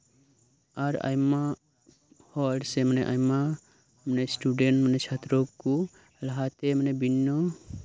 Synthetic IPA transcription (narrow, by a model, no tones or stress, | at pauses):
aɾa̰jma | hɔɖsemaneʔajma | manesʈuɖenʈmanet͡ʃʰat̪ɾɔku | laɦat̪emanebinːɔ